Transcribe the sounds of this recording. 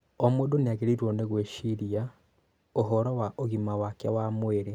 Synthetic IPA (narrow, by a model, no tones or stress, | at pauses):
ɔmwodoneaɣeɾiɾwɔneɣweʃiɾia | oɦɔɾɔwaʔoɣimawakjawamweɾe